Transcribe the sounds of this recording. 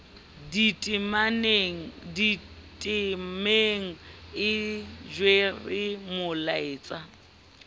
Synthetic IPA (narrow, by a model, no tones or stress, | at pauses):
ditʼmaneŋ̩ditʼɪmeŋ̩ɪd͡ʒwerɪmʊlaeːt͡sʼa